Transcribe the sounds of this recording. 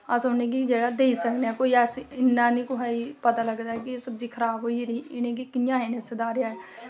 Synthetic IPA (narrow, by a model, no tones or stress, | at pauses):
asoːnek̬id͡ʒeːɽad̪eːisəkneɛkoːiaːsiɪnːaːnĩkoɦaipɐt̪alɐɡd̪aːɦɛk̬iesɐbd͡ʒikʰɐɾaːbɦoiɾiɪnẽkikɪjãɦenẽsed̪aːɾɪjaɛ